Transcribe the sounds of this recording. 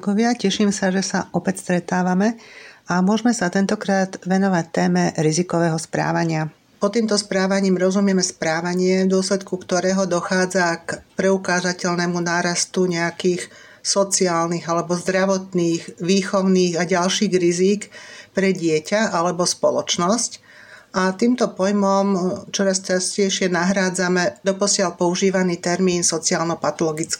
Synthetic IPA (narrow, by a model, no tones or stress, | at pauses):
kɔʋɪacɛʃiːmsaʒɛsaʔɔpɛcst̪ɾɛt̪aːʋamɛamʊɔʒmɛsat̪ɛnt̪ɔkɾaːd̪ʋɛnɔʋac̚t̪ɛːmɛɾizikɔʋɛːɦɔspɾa̰ːʋaɲɪa | pɔt̪iːmt̪ɔspɾaːʋaɲiːmɾɔzumɪɛmɛspɾaːʋaɲɪɛvd̪ʊɔslɛt̪kukt̪ɔɾɛːɦɔd̪ɔxaːd͡zakpɾɛukaːzacɛʎnɛmunaːɾast̪uɲɛakiːx | sɔt͡siaːlniɣalɛbɔzd̪ɾaʋɔt̪niːɣʋiːxɔʊniːɣaɟalʃiːɣɾiziːkpɾɛɟɪɛcaʔalɛbɔspɔlɔt͡ʃnɔsc | ʔat̪iːmt̪ɔpɔjmɔmt͡ʃɔɾast͡ʃascɛjʃɪɛnaɦɾaːd͡zamɛd̪ɔpɔsɪalpɔuʒiːʋaniːt̪ɛɾmiːnsɔt͡siaːlnɔpat̪ɔlɔɡit͡skː